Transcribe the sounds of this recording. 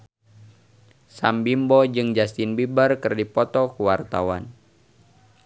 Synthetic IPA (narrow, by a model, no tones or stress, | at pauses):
sambimbɔd͡ʒɨŋd͡ʒast̪inbibərkɨrdipɔt̪ɔkuwart̪awan